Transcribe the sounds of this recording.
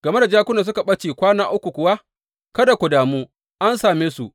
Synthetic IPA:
ɡ̥ɐ˨me˦da˨d͡ʒaː˦kʷʊ˦na˨s̬ʊ˦ka˨ɓɐ˦t͡ʃeː˨kʷaː˦naː˦ʔʊ˦kʷu˨kʷʊ˨wa˦ | kɐ˦da˨kʷʊ˨daː˨muː˦ | ʔa˦nsaː˨meː˦su˨ʔ

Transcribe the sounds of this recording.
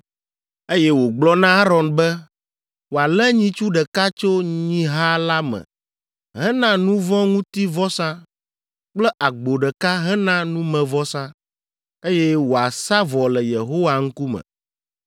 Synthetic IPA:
e˦jɛ˦wo˨ɡ͡blɔ˦nã˦a˦ɾɔ˨nbɛ˦ | wo˨a˨lɛ˦ɲĩ˦t͡ʃu˦ɖɛ˨ka˦t͡ʃo˦ɲĩ˦ɦa˦la˦mɛ̰̃˨ | ɦɛ̃˦nã˦nũ˦vɔ̃˦ŋũ˦t̪i˦vɔ˦sã˦ | k͡plɛ˦ʔa˨ɡ͡bo˨ɖɛ˨ka˦ɦɛ˦nã˦nũ˦mɛ̃˨vɔ˦sã˦ | e˦jɛ˦wo˨a˨sa˦vɔ˨lɛ˨je˨ɦo˦wa˨ŋ̩˦ku˦mɛ̰̃˨

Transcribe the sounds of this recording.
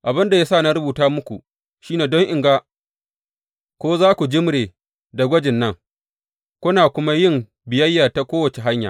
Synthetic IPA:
ʔa˨bɪ˦nda˨jaː˦sa˦˨na˦ɾʊ˦buː˨taː˦mʊ˦kʷu˨ | ʃiː˦neː˨dɔ˦ŋʔɪ˨ŋɡaː˦ | kʷoː˦zaː˦kʷu˨d͡ʒɪ˦mɽeː˨ | da˨ɡʷɐ˦d͡ʒɪ˨nːɐ˦˨ŋ | kʷʊ˦naː˨kʷʊ˦ma˦jɪ˦˨m | bɪ˨jɐ˦jːaː˨ta˦kʷoː˦wɐ˨t͡ʃe˨ɦa˦ɲja̰ː˨

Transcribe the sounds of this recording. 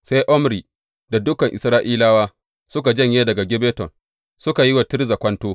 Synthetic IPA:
sa˦jʔɔ˦mɾi˨ | da˨dʊ˦kɐ˨ŋʔɪ̰˨sɾaː˦ʔiː˦laː˦waː˦ | sʊ˦ka˨d͡ʒɐ˦˨ɲjeː˦dɐ˨ɡa˨ɡʲɪ˦beː˦tɔ˨n | sʊ˦ka˨ji˦wa˨tɪ˦rza˨kʷɐ˦ntoː˦

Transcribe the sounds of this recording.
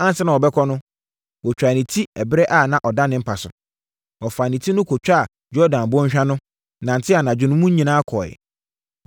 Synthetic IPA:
ã˦n̩˨sɛ˦nã˨ɔ˨bɛ˦kʰɔ˦nʊ̃˦ | wɔ˨t͡ɕᶣɾa˨nĩ˨tʰi˦ɛ˨bɪ˦ɾɛ˦ʔa˦˨nã˨ʔɔ˨dã˦nɪ̃˦m̩˦pʰa˨sʊ̰˨ | ɔ˨fa˨nĩ˨tʰi˦nʊ̃˦kʰɔ˨t͡ɕᶣa˦a˨ | d͡ʑɔ˦dã˨n˨bʊ̃˦ɕᶣa˦nʊ̃˦ | nã˨n̩˨tʰɪ˦a˨nã˨d͡ʑᶣɪ˨nʊ̃˦mũ˦ɲĩ˨nãː˦a˦kʰɔ˨jɛ̰˨

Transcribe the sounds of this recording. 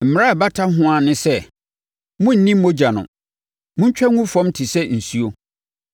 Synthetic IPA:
m̩˨m˨ɾa˦a˨ba˦tʰa˦ɦʊ̃˦a˨nɪ̃˦sɛ˦ | mʊ̃˦n̩˨nĩ˦m̩ː˦õ˦d͡ʑa˨nʊ̰̃˨ | mʊ̃˦ɲ˦t͡ɕᶣa˦ŋũ˦fɔ̃˦mtʰi˨sɛ˦n̩˨su˦o˦

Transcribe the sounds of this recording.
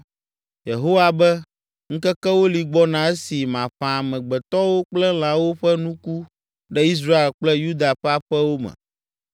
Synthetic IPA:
je˨ɦo˦wa˨bɛ˦ | ŋ̩̃˦kɛ˦kɛ˦wo˦li˨ɡ͡bɔ˦nã˨˦ɛ˦si˨mã˨ɸã˨mɛ̃˨ɡ͡bɛ˨t̪ɔ˦wo˦k͡plɛ˦l̃ã˨wo˦ɸɛ˦nũ˦ku˦ | ɖɛ˦i˦s̬ɾa˦e˨lk͡plɛ˦ju˦d̪a˨ɸɛ˦a˦ɸɛ˦wo˦mɛ̰̃˨

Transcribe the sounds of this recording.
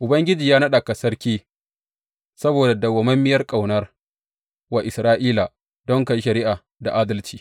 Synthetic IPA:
ʔʊ˨bɐ˦ŋɡʲɪ˦d͡ʒiː˨jaː˦nɐ˦ɗa˨ka˨sɐ˦rkʲiː˦ | sɐ˦boː˨da˨dɐ˨wɐ˨mɐ˦mːɪ˦jɐ˦rkʼa˨wnɐ˦r | wa˨ʔɪ˨sɾaː˦ʔiː˦la˨ | dɔ˦ŋka˨ji˦ʃɐ˨ɾɪ˦ʔaː˨ | da˨ʔaː˦dɐ˦lt͡ʃiː˨

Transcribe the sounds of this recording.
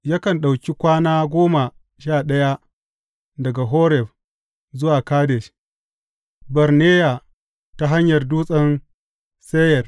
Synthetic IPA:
ja˦kɐ˨nɗa˨wkʲi˦kʷaː˦naː˦ɡʷoː˦ma˨ | ʃaː˦˨ɗɐ˦ja˦ | dɐ˨ɡa˨ɦoː˦ɾɛ˨ɸ | zʊ˦waː˨kaː˦de˨ʃ | bɐ˨ɾneː˦ja˨ | ta˦ɦa˦ɲjɐ˨rduː˦sʼɐ˦n | se˦jɐ˨r

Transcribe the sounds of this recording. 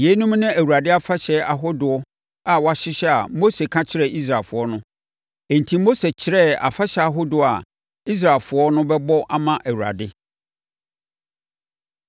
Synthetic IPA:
je˨˦nũ˦mnɪ̃˦æ˨wu˨ɾa˨dɪ˦a˦fa˦ɕɛ˦a˨ɦo˦dʊ˨ɔ˦ | a˨wɔ˨a˨ɕɪ˦ɕɛ˦a̰˨mo˦se˨kʰã˦t͡ɕʰɪ˦ɾɛ˦˨ʔi˦s̬ɾaː˨fʊ˨ɔ˦nʊ̃˦ | e˨n̩˨tʰi˦mo˦se˨t͡ɕʰɪ˨ɾɛ˦a̰˨fa˦ɕɛ˨a˨ɦo˦dʊ˨a˨ | i˦s̬ɾa˨fʊ˨˦ɔ˦nʊ̃˦bɛ˦bɔ˦ʔa˦mã˨ʔæ˨wu˨a̰˨dɪ˦

